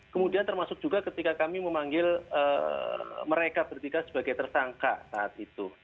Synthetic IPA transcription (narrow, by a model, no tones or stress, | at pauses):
kəmudiant̪ərmasʊk̚d͡ʒ̥uɡakət̪ikakamiməmaŋɡɪlə | məɾekab̥ərt̪ikasəbaɡajt̪ərsaŋka̰saʔa̰t̪it̪u